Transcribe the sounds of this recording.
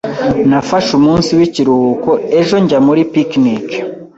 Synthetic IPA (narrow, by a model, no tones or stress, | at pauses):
nafaʃumuːnsiwiciɾuhukoe̞ʒo̞ɲɟamuɾipiknik